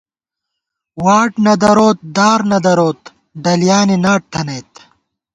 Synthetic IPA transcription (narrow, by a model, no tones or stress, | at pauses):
waːʈnɐd̪ɐɾoːt̪̚d̪aːɾnɐd̪ɐɾoːt̪ | ɖɐlijaːninaːʈ̚t̪ʰɐnɐjt̪